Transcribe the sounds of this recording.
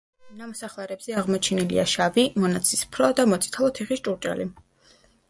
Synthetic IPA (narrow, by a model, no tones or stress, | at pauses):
namɔsaχlˠaɾɛbz̥ɛaʁmɔt͡ʃʰɛnilḭaʃavimɔnat̪sʰispʰɾɔd̪amɔt̪sʼi̥t̪ʰalˠɔt̪ʰiχist͡ʃʼuɾt͡ʃʼa̰li